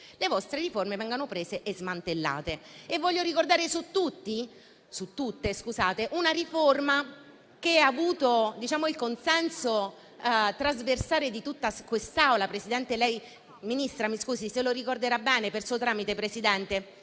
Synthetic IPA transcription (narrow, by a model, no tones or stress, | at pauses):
levɔst̪ɾeɾiformevɛŋɡonopɾeːzeʔezmant̪elːa̰ːt̪eevːɔʎːoɾikord̪aːɾesut̪ːut̪ːi | sut̪ːut̪ːeskuzaːt̪eʔunaɾiforma | k̟eavuːt̪od̪it͡ʃaːmoilkonsɛnso | t̪ɾazversaːɾed̪it̪ut̪ːaskwest̪awlapɾesid̪ɛnt̪elɛj | minist̪ɾamiskuːsiseloɾikord̪eɾabːɛːnepersuːot̪ɾaːmit̪epɾesid̪ɛnt̪e